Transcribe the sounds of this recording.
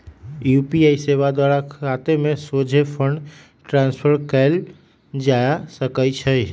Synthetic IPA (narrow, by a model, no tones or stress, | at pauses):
jupiaiseʋad̪waɾakʰat̪emẽsod͡ʒʱepʰəɳɖ | ʈɾãnspʰəɾkɛl | d͡ʒajasəkəjt͡ʃʰə